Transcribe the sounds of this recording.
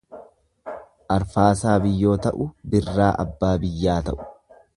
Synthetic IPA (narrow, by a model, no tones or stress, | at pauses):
ʔɐɾfaːsaːbɪjːo̞ːt̪ɐʔʊbɪrːaːʔɐ̰bːaːbɪjːaːt̪ɐʔʊ̥